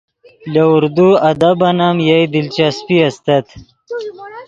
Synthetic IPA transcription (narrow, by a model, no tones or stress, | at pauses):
lɐuɾd̪uɐd̪ɐbɐnamjajd̪ilt͡ɕaspiɐst̪ɐt̪